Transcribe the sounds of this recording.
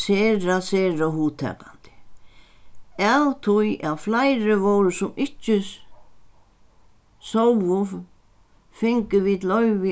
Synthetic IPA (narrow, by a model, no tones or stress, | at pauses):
sɛːɾasɛːɾaɦuːt̪ʰːɛ̰ːkːant̪ɪ̥ | ɛðt̪ʰujʔaflajɾɪvowɾʏsʊmɪhcɪ | sowʊ | fɪŋkɪviðlœɥvɪ